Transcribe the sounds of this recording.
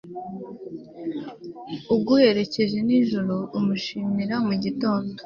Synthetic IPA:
ub̚ɡuhe̞ɾe̞ce̞ʒe̞niʒuɾoːmuʃiːmiɾamuɟito̞ːndo

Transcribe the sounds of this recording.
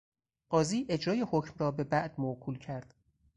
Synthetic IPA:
ɢ̥ɒːziːʔe̞d͡ʒɾɒːjehocʰmrɒːbe̞bæʔd̪̥moʔkʰuːlcʰæɾd̪̥

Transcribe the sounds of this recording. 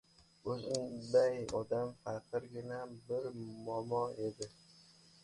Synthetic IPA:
ɵzɪnbajɒd̪amfaqɨɾɡʲɪnabɪɾmɒmɒe̞d̪ɪ

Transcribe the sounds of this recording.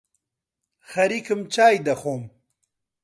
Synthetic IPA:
xɐɾikəmt͡ɕaːjd̪ɐxoːm

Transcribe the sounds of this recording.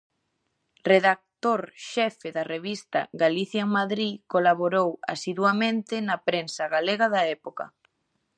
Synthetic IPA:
reðak̚t̪oɾʃɛfeðareβist̪a̰ɣaliθjaeŋmaðɾikolaβoɾowa̰siðwamẽnt̪ɪnapɾensɐɣaleɣaðɐɛpokɐ̰

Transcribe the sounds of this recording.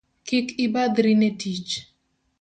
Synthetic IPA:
kɪkɪbad̪ɾinetit͡ʃ

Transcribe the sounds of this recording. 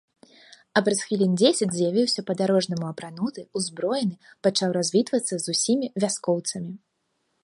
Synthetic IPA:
ɐpɾɐsxvʲilʲinʲd͡zʲesʲɐd͡zʲzʲjavʲiwsʲɐpɐd̪aɾɔʐnɐmuɐpɾanut̪ɨuzbɾɔjɛnɨpat͡ʂawɾazʲvʲit̪vɐt̪sːɐzusʲimʲivʲaskɔwt̪sɐmʲi

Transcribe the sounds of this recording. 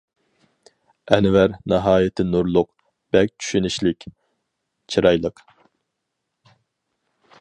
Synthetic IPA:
ɛnvæɾnɑɦɑːjɪt̪ʰɪnuɾlˠʊq | b̥ɛk̚ʲt͡ʃʰy̥ʃynɪʃlɪkʲ | t͡ʃʰiɾɑjlˠəq

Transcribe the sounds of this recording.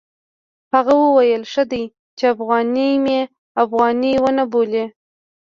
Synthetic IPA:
haɣawəwajəlʂəd̪aj | t͡ʃeafɣɑnimje | afɣɑniwənabole

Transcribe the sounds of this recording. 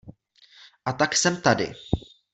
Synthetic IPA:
ʔat̪aksɛmt̪adɪ̰

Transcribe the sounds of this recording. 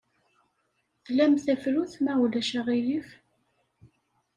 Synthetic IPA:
θlæmθæfluθmæwlæʃæʁijif

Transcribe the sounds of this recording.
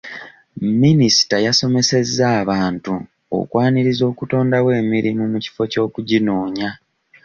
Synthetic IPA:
minisi̥tajaso̞me̞se̞zːaːβaːntu | o̰kwʔaːniɾizo̞ːkuto̞ːndawe̞ːmiɾimumuci̥fo̞co̞ːkuɟinoːɲa

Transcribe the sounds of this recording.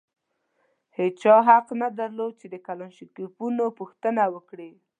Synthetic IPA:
het͡ʃɑɦaqnad̪aɾlod̪̚t͡ʃed̪əkalɑnʃikipunopuxt̪ənawəkɽi

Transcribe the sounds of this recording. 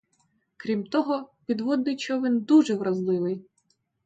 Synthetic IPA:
kɾʲimt̪ɔɦɔpʲid̪ʋɔd̪nɪt͡ʃɔʋɪnd̪uʒɛʋɾɐzlˠɪʋɪj

